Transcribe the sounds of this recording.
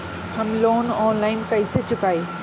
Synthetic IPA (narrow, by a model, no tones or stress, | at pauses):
hɐmloːnɔːnlaːɪnpɐjset͡ɕʊkaːiː